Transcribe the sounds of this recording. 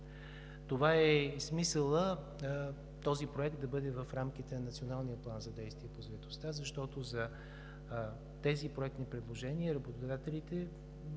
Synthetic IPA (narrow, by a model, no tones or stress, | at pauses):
t̪ovaɛsmisəlˠə | t̪ɔzipɾoɛk̚t̪̚d̪ɐbɤd̪ɛvəfɾamk̟it̪ɛnɐnɐt̪sionalˠnijəplˠanzɐd̪ɛjst̪viɛpozɐɛt̪ost̪azɐʃt̪ɔt̪ozɐ | t̪ɛzipɾoɛkt̪nipɾɛd̪lˠoʒɛniəɾɐbot̪oʊd̪at̪ɛlit̪ɛ